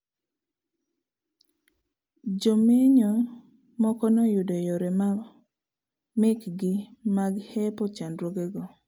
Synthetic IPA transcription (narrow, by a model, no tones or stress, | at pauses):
d͡ʒomeɲɔ | mɔkɔnɔjʊdɔjoɾem | mɪkɡɪmaɡhɛpɔt͡ʃandɾwoɡeɡɔ